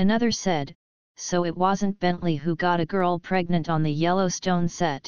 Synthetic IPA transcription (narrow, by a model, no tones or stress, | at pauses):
ɨnʌðə˞sɛd̥ | soʊɨt̚wʌzɨ̃nb̥ɛ̃nʔliɦuɡɑɾɨɡɜ˞lˠpʰɹ̥ɛɡ̚nɨ̃ntn̩ðɨjɛlˠoʊstõʊ̃nsɛt̚